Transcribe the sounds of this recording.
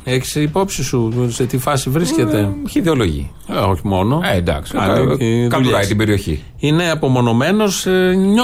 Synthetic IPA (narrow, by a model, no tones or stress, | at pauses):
eçi̥sipo̞psisuset̪ifɐsivɾisce̞t̪e̞çiðeo̞lo̞ʝḭ | oçimo̞no̞end̪ɐ̰ksi̥ɐneiðkɐkɐit̪ibe̞ɾio̞çḭ | ine̞ɐpo̞mo̞no̞me̞no̞sɲ